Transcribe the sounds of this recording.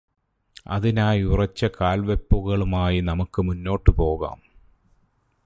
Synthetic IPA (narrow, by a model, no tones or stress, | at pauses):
ɐ̰ðinaːjurɐt͡ɕːɐkaːlʋepːuɣɐɭumaːjinɐmukːɨmunːo̞ːʈːɨpo̞ːɣa̰ːm